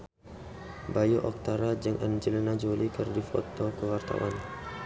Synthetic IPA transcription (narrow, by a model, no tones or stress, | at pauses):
bajuʔɔk̚t̪aɾad͡ʒɨŋʔand͡ʒələnad͡ʒolikərdifɔ̰t̪ɔkəwart̪a̰wan